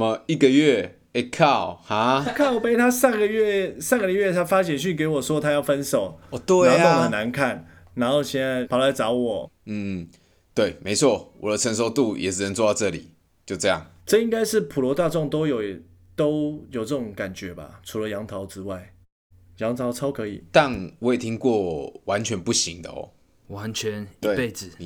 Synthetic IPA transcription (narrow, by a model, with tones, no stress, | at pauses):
mə˦i˥˩ɡə˨ɥɛ˥˩ | e˧kʰa˥˨ʊha˨˦˥kʰa˥˩ʊ˨pe˥ɪt̪ʰa˦˥sa˥˩nɡə˨ɥɛ˥˨sa˥˩nŋɡəə˨ɥɛ˥˩t̪ʰa˥fa˦˥ɕ̬jɛ˨˩nɕy˥˨nke˧˥ɪwɔ˨˩ʂwɔ˥t̪ʰa˥jɑ˥˩ʊfə˦nʂo˨˩ʊɔ˨t̪we˥˨˥o˥˦˨hə˨˩na˧˦nkʰa˥˨n | na˧˥nxo˥˧ʊɕjɛ˥˧na˥˩ɪpʰɑ˨˦ʊla˧˥ɪt͡sɑ˧˦ʊwɔ˨˩n̩˥˩ | t̪we˥˩ɪme˧˥ɪt͡sʰwɔ˥˩wɔ˨˩d̪ə˦t͡sʰə˧˦nʂ̬o˧˥ʊt̪u˥˨jɛ̰˨˩ʂ̩˥˩nə˧˦nt͡swɔ˥˧d̪ɑ˥˧ʊʈ͡ʂɤ˥˨lḭ˨˩ | t͡ɕjo˥˧ʊʈ͡ʂɤ˥˧jɑ̰˥˩ŋʈ͡ʂɤ˥˧i˥ŋka˥ɪʂɻ̩˥˩pʰu˨lwɔ˧˥t̪a˥˧ʈ͡ʂʊ˥˩ŋt̪o˥ʊjo˨˩ʊ | t̪o˥ʊjo˨˩ʊʈ͡ʂɤ˥˩ʈ͡ʂʊ˨˩˦ŋka˨˩nt͡ɕɥɛ˨˥ba̰˨ʈ͡ʂʰu˧˥lə˧jɑ˧˥ŋt̪ʰɑ˧˥ʊt͡sɻ̩˥wa˥˩ɪ | jɑ˧˥ŋt̪ʰɑ˧˥ʊt͡sʰɑ˥ʊkʰɤ˧˥ḭ˨˩t̪a˥˨nwɔ˦je˨˩t̪ʰi˥ŋkwɔ˥˨wa˧˦nt͡ɕʰɥɛ˧˦npu˥˩ɕi˧˦ŋd̪ə̰˦ɔ̰˨˩ | wa˧˦nt͡ɕʰɥɛ˧˦nt̪we˥˨e˥˧ɪd͡zɹ̩˨˩˦